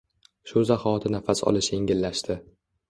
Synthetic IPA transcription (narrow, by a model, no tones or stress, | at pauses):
ʃʊzahɒɒt̪ʰɪnafasɒ̰lɪʃje̞ŋɡʲɪlːaʃt̪ɪ